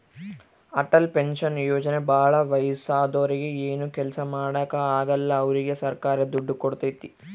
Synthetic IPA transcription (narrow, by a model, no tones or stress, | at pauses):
ɐʈːɐlpenʃɐnjoːd͡ʒɐnebaːɭɐʋɐjsaːd̪oːɾiɡeeːnukɛlsɐmaːɽaːkɐaːɡɐlːɐːʋɐɾiɡesɐɾkaːɾɐd̪uɖːukoɽt̪ɐt̪ːi